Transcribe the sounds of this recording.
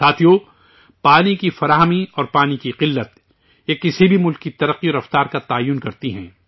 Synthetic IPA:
saːt̪ʰijo | paːnikifɐɾaːɦəmiɔːɾpaːnikiqɪlːət̪ | jakɪsibʱimʊlkːit̪ɐɾəqːiɔːɾɐft̪aːɾkat̪aːjːʊnkɐɾt̪iɦɛ̰̃ː

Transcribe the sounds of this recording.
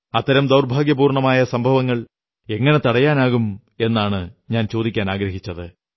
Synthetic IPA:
ɐt̪ːɐɾɐmd̪ɐwrbʱaːɡjɐpuːrɳɐmaːjɐsɐmbʱɐʋɐŋːɐɭ | e̞ŋːɐne̞t̪ɐɽɐjaːnaːɣum | e̞nːaːɳɨɲaːnt͡ɕoːd̪ikʲːaːnaːɡɾɐɦit͡ɕːɐðɨ

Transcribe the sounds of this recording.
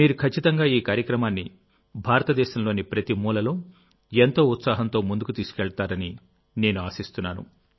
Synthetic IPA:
miːɾukʰɐt͡ʃːit̪ɐŋɡaːiːkaːɾjɐkɾɐmaːnːi | bʱaːɾɐt̪ɐd̪ɛːʃɐmlo̞ːnipɾɐt̪imuːlɐlo̞ː | ent̪o̞ːut̪saːɦɐnt̪o̞ːmund̪ukut̪iːsu̥kɛɭɐt̪aːɾɐni | ne̞ːnuaːsist̪unːaːnṵ

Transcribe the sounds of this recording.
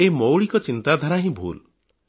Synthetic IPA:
emowɭikɔt͡ʃint̪ad̪ʱaɾaɦĩbʱṵl

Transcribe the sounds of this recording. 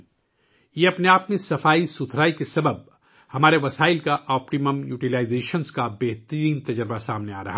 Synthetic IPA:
jeɐpneaːpmẽsɐfaːisʊt̪ʰɾaːikesɐbəb̚ | hɐmaːɾeʋɐsaːɪlkaʔɔːpʈiməmjuːʈilaːɪzeːʃənskabɛɦt̪əɾĩːnt̪ɐd͡ʒəɾbasaːmnea̰ːɾɐɦa

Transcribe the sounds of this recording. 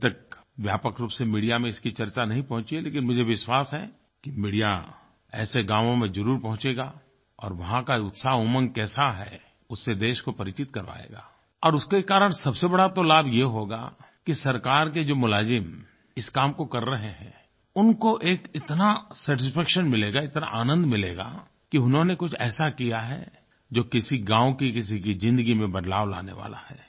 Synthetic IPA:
t̪ɐk̚ʋjaːpəkɾuːpsemiːɽijamẽɪskit͡ʃɐɾt͡ʃanɐɦĩpɐɦʊ̃t͡ʃieleːkɪnmʊd͡ʒʱeʋɪʃwaːsɦɛ̰ | kimiːɽija̰ | ɛ̰ːseɡãːʋõmẽzɐɾuːɾpɐɦʊ̃t͡ʃeːɡaː | ɔ̰ːɾʋɐɦãkaʊt̪saːɦumə̃ŋkɛːsaɦɛː | ʊsːed̪eːʃkopɐɾɪt͡ʃɪt̪kɐɾʋa̰ːḛːɡa̰ː | ɔːɾʊskekaːɾəɽ̃sɐbsebɐɽat̪olaːbjeɦoːɡa̰ | kisɐɾkaːɾk̬ed͡ʒoːmʊlaːzɪm | ɪskaːmkokɐɾːɐɦeɦɛ̰̃ː | ʊnkoʔeːkɪt̪nasɛːʈɪspɛːkʃənmɪleːɡaɪt̪na̰ʔaːnə̃nd̪mɪleːɡa̰ː | kiʊnɦõnekʊt͡ʃʰɛ̰ːsakijaɦɛ̰ | d͡ʒoːkɪsiɡãːʋõkikɪs̬ikizɪ̃nd̪əɡimẽbɐɖ̪laːʋla̰ːnḛʋa̰ːla̰hɛː

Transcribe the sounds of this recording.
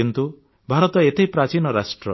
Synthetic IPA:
int̪u | bʱaɾɔt̪ɔet̪ʰejpɾat͡ʃinɔɾasʈɾɔ̰

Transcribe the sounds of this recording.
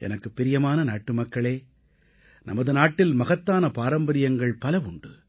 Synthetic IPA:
ʔɛ̰nɐkːɯpːɪɾɪjɐmaːnɐnaːʈːɯmɐkːɐɭeː | nʔɐ̰mɐðɯnaːʈːɪlmɐɣɐt̪ːaːnɐpaːɾɐmbɐɾɪjɐŋɡɐɭpɐlɐʋʊɳɖɯ

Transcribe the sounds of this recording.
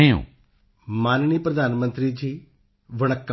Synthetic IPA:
ejõ̰ː | maːnnipɾəd̪aːnmə̃nt̪ɾiːd͡ʒiː | ʋəɽ̃əkːa

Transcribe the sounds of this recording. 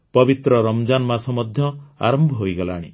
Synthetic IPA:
pɔbit̪ɾɔɾɔmd͡ʒanmasɔmɔd̪ʱjɔa̰ɾɔmbʱɔɦojɡɔla̰ɽ̃i

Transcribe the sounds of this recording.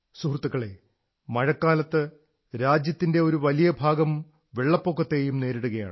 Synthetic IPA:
suɦrt̪ːukːɐɭe̞̰ | mɐɻɐkːaːlɐt̪ːɨ | ɾaːd͡ʑjɐt̪ːinde̞o̞ɾuʋɐlijɐbʱaːɡɐm | ʋe̞ɭːɐpːokːɐt̪ːe̞ːjumne̞ːɾiɽuɣɐja̰ːɳɨ

